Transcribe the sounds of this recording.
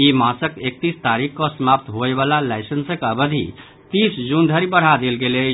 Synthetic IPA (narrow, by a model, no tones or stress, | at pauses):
imãsəkek̚t̪ist̪aɾikkɔsəmap̚t̪ɦoeβalalajsənsəkəbəd̪ʱḭ | t̪isd͡ʒund̪ʱəɾibəɽ̤ad̪elɡele